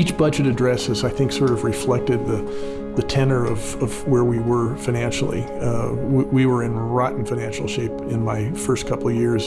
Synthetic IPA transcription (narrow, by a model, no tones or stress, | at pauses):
it͡ʃb̥ʌd͡ʒɨɾɨdɹɛsɨzaɪθɪ̃ŋksɔɹɾʌvɹɨflɛk̚tɨd̪̚ðɨ | ðɨtʰɛ̃nə˞ʌv | ʌvwə˞wiwə˞fãɪ̃næ̃nʃl̩ˠḭ | wiwə˞ɨ̃nɹɑʔn̩fãɪnæ̃nʃl̩ˠʃeɪpɨ̃nmaɪfɜ˞skʰʌpl̩ˠjɪɹz̥